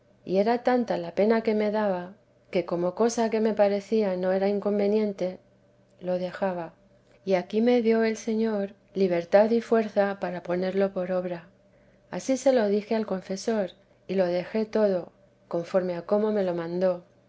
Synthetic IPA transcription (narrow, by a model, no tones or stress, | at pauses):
ḭe̞ɾat̪ant̪alape̞nake̞me̞ðaβa | ke̞ko̞mo̞ko̞sake̞me̞paɾe̞θiano̞e̞ɾaiŋko̞mbe̞njẽ̞nt̪e̞ | lo̞ðe̞xaβa | iakime̞ðjo̞e̞lse̞ɲo̞ɾ | liβ̞e̞ɾt̪aðifwe̞ɾθapaɾapo̞ne̞ɾlo̞po̞ɾo̞βɾa | asise̞lo̞ðixe̞alko̞ɱfe̞so̞ɾ | ilo̞ð̞e̞xe̞t̪o̞ðo̞ | ko̞ɱfo̞ɾme̞ako̞mo̞me̞lo̞mãnd̪o̞